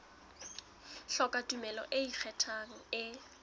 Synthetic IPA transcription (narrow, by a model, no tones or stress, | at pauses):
ɬɔkʼatʼumɛlɔ̰ʔeik͡xʰɛtʰaŋ̩ɪ